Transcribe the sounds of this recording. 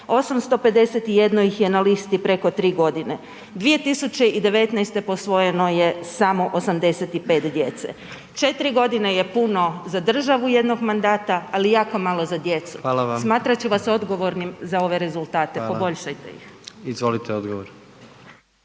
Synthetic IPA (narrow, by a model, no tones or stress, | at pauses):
o̞samst̪o̞pe̞d̪e̞set̪ije̞d̪nojixje̞nalist̪ipɾe̞ko̞t̪ɾiːɡo̞d̪ine̞ | d̪ʋije̞t̪isut͡ɕe̞id̪e̞ʋe̞t̪nɛjst̪e̞po̞sʋo̞je̞no̞je̞samo̞ʔosamd̪e̞set̪ipe̞ːt̪d̪je̞t̪sḛ | t͡ʃe̞t̪iɾiɡo̞d̪ine̞je̞puno̞zad̪r̩ʒaʋuje̞d̪no̞ɡmand̪aːt̪aalijaːko̞malˠo̞zad̪je̞t̪su̥alasmaːt̪ɾat͡ɕuʋaso̞d̪ɡo̞ʋo̞ɾnimzao̞ʋe̞ɾe̞zulˠt̪aːt̪epo̞bo̞ʎʃajt̪e̞̰jḭxizʋolit̪eod̪ɡoʋoɾ